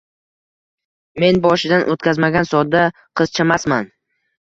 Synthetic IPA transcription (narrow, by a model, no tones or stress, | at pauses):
me̞nbɒʃɪd̪anʔot̪kʲazmaɡʲansɒd̪ːa | qʰɨz̥t͡ʃʰamasman